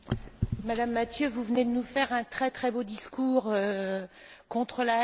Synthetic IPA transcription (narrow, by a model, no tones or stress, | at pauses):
mad̪amːat̪jøvuvəned̪ənufɛʁɛ̃t̪χɛt̪χɛbod̪iskuːʁø | kɔ̃t̪χəla